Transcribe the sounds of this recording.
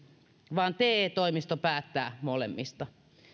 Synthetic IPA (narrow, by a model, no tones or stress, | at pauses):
ʋɑːnt̪eːt̪oimist̪opæːt̪ːæːmolḛmːist̪ɑ